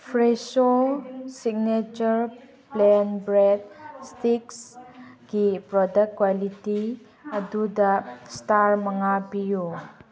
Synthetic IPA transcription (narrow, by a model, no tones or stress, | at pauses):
pʰɾesosiɡ̚net͡ʃəɾ | plɛnbɾɛd̚stikskipɾɔdək̚kwaliti | ɐdudɐstaɾmɐŋapijo